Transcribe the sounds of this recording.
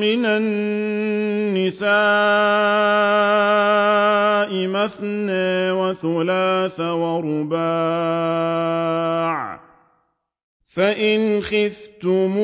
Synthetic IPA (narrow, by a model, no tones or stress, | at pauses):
ɪnan | ɪsaː | ʔɪmaθnaːwaθalaːθawaɾʊbaː | ʕ | faʔɪnxɪft̪ʊm